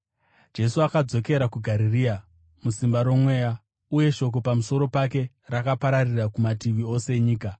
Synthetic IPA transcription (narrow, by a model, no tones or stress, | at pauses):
d͡ʒe̞suakad͡zo̞ke̞ɾakuɡʱaɾiriːa | musimbaɾo̞mwe̞ːja | uje̞ʃo̞k̬o̞pamuso̞ɾo̞pake̞ | rakapaɾarirakumatiʋio̞seɲiːka